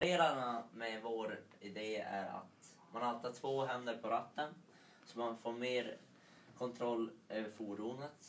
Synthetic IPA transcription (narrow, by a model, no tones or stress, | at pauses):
ɾeːlaɳamɛvoːɾ | ɪd̪eːæ̰ɾa̰t̪ | manhaalt̪ːat̪ʰːvoːɦɛnd̪əɾpʰɔɾat̪ːən | sɔmanfoːɾmeːɾ | kʰɔnt̪ʰɾɔlːøːvəɾfuːɖuːnət̪